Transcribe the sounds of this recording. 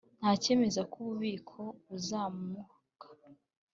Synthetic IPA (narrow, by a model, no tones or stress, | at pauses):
n̥haːce̞ːme̞zakuβuβiːkʰo̞βuzaːmu | kḁ